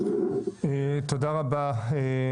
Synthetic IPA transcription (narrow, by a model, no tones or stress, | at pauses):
et̪od̪aʁabae